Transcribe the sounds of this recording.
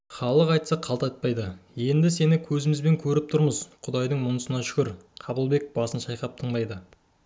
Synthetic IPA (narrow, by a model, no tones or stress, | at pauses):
χɑlˠəqɑjt̪sɑqʰːɑlˠt̪ɑt̪̚pɑjd̪əje̞nd̪ɪse̞nɪkʲʰɵzɪmɪzbe̞ŋkʲʰɵɾɪp̚t̪ʰʊɾməzqʰʊd̪ɑjd̪əɴmʊnəsənɑʃʏ̥kʲɪɾqʰɑbəlˠbe̞k̚bɑsənʃɑjqɑp̚t̪ʰəɴd̪ɑjd̪ə